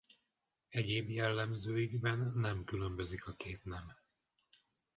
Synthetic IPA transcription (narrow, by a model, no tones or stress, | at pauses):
ɛɟeːbjɛlːɛmzøːiɡbɛnːɛmkylø̞mbø̞zikɒkeːt̪nɛm